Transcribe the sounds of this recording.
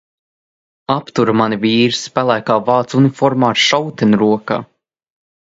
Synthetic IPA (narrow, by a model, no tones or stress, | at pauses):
apt̪uɾamaniviːɾspalˠajkaːvaːt̪sunifɔɾmaːɾʃawt̪ɛnɾuɔka̰ː